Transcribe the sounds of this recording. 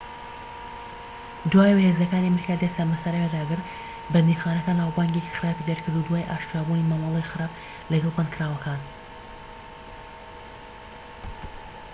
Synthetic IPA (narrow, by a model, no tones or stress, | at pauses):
d̪waːjwhezɐkaːniɐmɾikaːd̪est̪amɐsaɾajad̪aːɡɨɾt̪ | bɐd̪nixaːnɐkaːnhawbaːŋɡeki̥xɨɾaːpid̪ɐɾkʰɨɾd̪ud̪waːjʔaːʃt̪aːbunimamɑlˠejxɨɾaːp | lɐɡɐlˠbankʰɨɾaːwɐkʰaːn